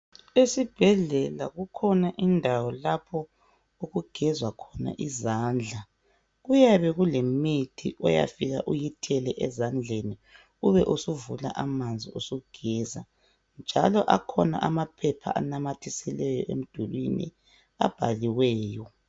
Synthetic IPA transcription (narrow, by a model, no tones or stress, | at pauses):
esib̥ʱɛɮɛlaɣukʰɔnaʔindʱawɔlapʰɔ | oɣuɡ̥ʱɛzwakʰɔna̰ʔizaːnd͡ɮʱa | ɣujaβɛɣulemitʰiʔɔja̰fiɣa̰ʔujitʰɛlɛʔɛzand͡ɮʱeni | uβɛʔusuvula̰ʔamand͡zʱiosuɡ̥ʱɛːza | nd͡ʒʱalɔʔakʰɔna̰ʔamapʰɛpʰa̰ʔa̰namatʰisɛlɛjɔ̰ʔem̩d̥ʱulwinḭ | a̰b̥ʱaliwɛːjɔ